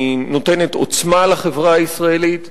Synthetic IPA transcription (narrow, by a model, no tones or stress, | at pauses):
no̞tenet̪o̞̰t͡smalaχevʁaːisʁaelit̪